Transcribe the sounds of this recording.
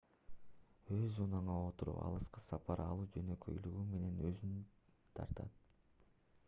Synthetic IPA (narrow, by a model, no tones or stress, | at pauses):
øzunɑɴɑot̪uɾṵpɑ̰lˠɯsqɯsɑpɑɾʔɑlˠuːd͡ʒø̞nø̞kø̞̰jlyɡyme̞ne̞nøzynt̪ʰɑ̰ɾt̪ɑ̰t̪̚